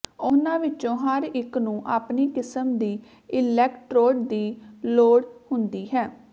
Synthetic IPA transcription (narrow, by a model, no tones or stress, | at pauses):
ʊnãːʋɪt͡ʃõːɦəɾɪknũːʔaːpniːkɪsəmd̪iː | ɪlɛːkʈɾoːɖd̪iːloːɽhʊnd̪iːɦɛː